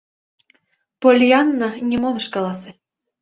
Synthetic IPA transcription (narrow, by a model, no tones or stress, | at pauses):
polʲjɑnːɑnʲimomɤ̆ʃkɑlˠɑsĕ